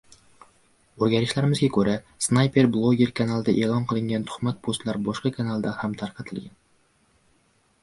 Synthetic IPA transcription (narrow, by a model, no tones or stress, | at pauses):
ɵzɡʲaɾɪʃlaɾɪmɪzɡʲakʰɵɾa | snajpe̞ɾblˠoɡʲe̞ɾkʰanalˠd̪aʔeːlˠɒnqʰɨlˠɪŋʲant̪ʰʊ̥χmat̪̚pʰost̪laɾbɒʃqɑkʰanalˠd̪ahamt̪ʰaɾqʰɑt̪ʰɪlɡʲan